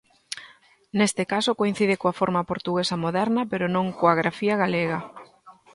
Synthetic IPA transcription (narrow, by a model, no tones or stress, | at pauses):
nest̪ɪkasokoin̟θiðɪkoɐfoɾmɐpoɾt̪uɣesɐmoðɛɾnɐpeɾonõŋkoaɣɾafiɐɣaleɣɐ